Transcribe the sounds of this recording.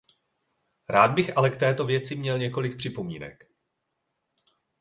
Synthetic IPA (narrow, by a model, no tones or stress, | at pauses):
ɾaːd̪̚bɪxʔalɛkt̪ɛːt̪o̞vjɛt͡sɪmɲɛlɲɛko̞lɪkpr̥ɪpo̞mḭːnɛ̰k